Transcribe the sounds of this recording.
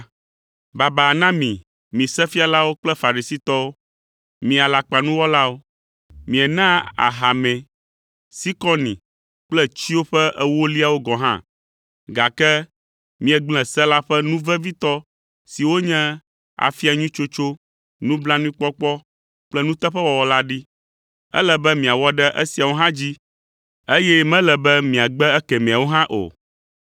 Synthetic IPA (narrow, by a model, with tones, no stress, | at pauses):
ba˨ba˨nã˦mĩ˨ | mĩ˨sɛ˦fi˦a˨la˦wo˦k͡plɛ˦fa˨ɾi˨si˦t̪ɔ˦o˦ | mĩ˨a˨la˨k͡pa˨nũ˦wɔ˦la˦wo˦ | mĩ˨ɛ˨nã˦a̰˨ɦa˨mɛ̃˨ | si˦kɔ˦nḭ̃˨ | k͡plɛ˦t͡ɕi˦wo˦ɸɛ˦ʔɛ˦wo˦li˦a˨wo˦ɡɔ˨ɦã̰˦˨ | ɡa˨kɛ˦ | mĩ˨ɛ˨ɡ͡blɛ̃˨sɛ˦la˦ɸɛ˦nũ˦vɛ˦vi˦t̪ɔ˦ | si˨wo˦ɲɛ̃˦ | a̰˨fi˦a˨ɲũ˦t͡ʃo˦t͡ʃo˦ | nũ˦blã˦nũ˦k͡pɔ˦k͡pɔ˦ | k͡plɛ˦nũ˦t̪ɛ˦ɸɛ˦wɔ˨wɔ˨la˦ɖi˦ | ɛ̰˦lɛ˨bɛ˦mĩ˨a˨wɔ˦ɖɛ˦ʔɛ̰˦si˨a˨wo˦ɦã˦d͡ʑi˦ | e˦jɛ˦mɛ̃˦lɛ˨bɛ˦mĩ˨a˨ɡ͡bɛ˦ɛ˦kɛ˨mĩ˨a˨wo˦ɦã˦ʔo̰˨